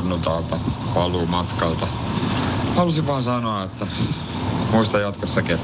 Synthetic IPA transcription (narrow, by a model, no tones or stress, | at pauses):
nːut̪ɑːlt̪ɑpɑluːmɑt̪kɑlt̪ɑ | hɑlusiʋʋɑːnsɑnoɑet̪ːæ | muist̪ɑjɑt̪kosːɑkiet̪ː